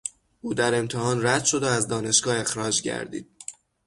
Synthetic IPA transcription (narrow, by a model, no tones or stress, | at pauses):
ʔuːd̪æɾe̞mt̪ʰehɒːnɾæd̪̥ʃo̞d̪oæzd̪ɒːne̞ʃɡɒːe̞xɾɒːd͡ʒɟæ̰ɾd̪ḭːd̪̥̚